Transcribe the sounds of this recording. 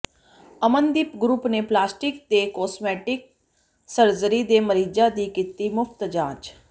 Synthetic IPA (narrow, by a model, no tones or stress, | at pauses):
əmənd̪ɪpɡɾuːpneːplaːsʈɪk̚d̪eːkɔːsmɛːʈɪk̚ | səɾzəɾid̪eːməɾiːd͡ʒad̪ikɪt̪imʊfʰt̪d͡ʒaːd͡ʒ